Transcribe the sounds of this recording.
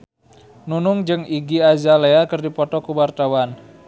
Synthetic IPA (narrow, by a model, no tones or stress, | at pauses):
nunʊŋd͡ʒɨŋiɡiazaleakərdipɔt̪ɔkuwart̪awan